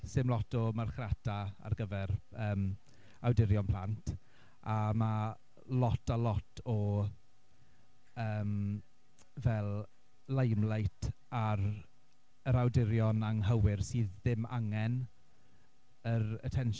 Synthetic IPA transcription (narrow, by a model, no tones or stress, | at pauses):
sɪmlˠɔtʰɔmarχratʰaa̰rɡəvɛɾəːm | awdɪɾjɔnpʰl̥antʰ | ama | lɔtʰalˠɔtʰɔ | əːm | vɛlˠ | ləjmlˠajtʰ | aɾ | əɾawdɪɾjɔnaŋɦəwɪrsiːðːɪma̰ŋɛn | əɾə̰tʰɛnʃ